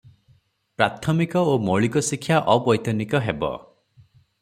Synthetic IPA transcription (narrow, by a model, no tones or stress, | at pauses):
pɾat̪ʰɔmikɔomɔɭikɔsikʰːjaʔɔbɔjt̪ɔnikɔɦebɔ̰